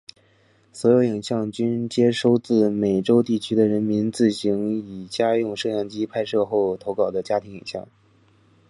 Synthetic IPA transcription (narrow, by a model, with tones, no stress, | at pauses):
swɔ˧˥jo˧˥ʊi˨˩ŋɕjɑ˥˧ŋt͡ɕy˥nt͡ɕjɛ˥ʂo˥ʊt͡sɹ̩˥˩me˨˩ɪʈ͡ʂo˥ʊt̪i˥˩t͡ɕʰy˥d̪ə˨ɻə˧˥nmi˧˥nt͡sɹ̩˥˩ɕi˧˥ŋi˨˩t͡ɕja˥jʊ˥˧ŋʂɤ˥˧jɑ˥˩ŋt͡ɕi˥pʰa˥ɪʂɤ˥˧xo˥˩ʊt̪ʰo˧˥ʊkɑ˨˩ʊd̪ə˦t͡ɕja˥t̪ʰi˧˥ŋi˨˩ŋɕjɑ̰˥˩ŋ